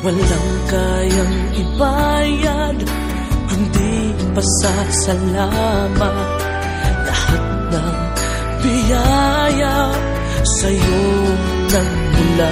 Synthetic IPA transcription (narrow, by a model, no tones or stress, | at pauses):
wɐlaŋka | jaŋ | ʔɪbaja | d̪ | kʊnd̪i | pɐsa | sɐla | ma | t̪̚ | lahat̪̚nɐŋ | bɪjaja | sɐjo | nɐŋ | mʊla